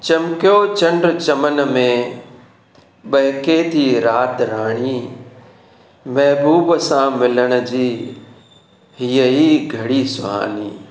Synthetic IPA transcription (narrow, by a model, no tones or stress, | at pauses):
t͡ɕɐmkjot͡ɕɐ̃ɳɖɾt͡ɕɐmənmẽ | ɓɐɦɪket̪ʰiːɾaːt̪ɾaːɽ̃iː | mɐɦbuːbsãmɪləɽ̃ʊ̆d͡ʑiː | ɦiːəiːɡʱɐɽisʊa̰ːliː